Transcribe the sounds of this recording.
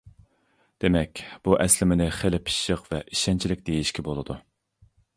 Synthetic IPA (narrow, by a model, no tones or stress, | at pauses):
d̪̥emɛkʲb̥uʔɛslɪmɪnɪχelɪpʰi̥ʃəqvɛʔiʃɛnt͡ʃʰilɪk̚ʲd̪̥ejiʃkʲʰɛbolˠɨd̪u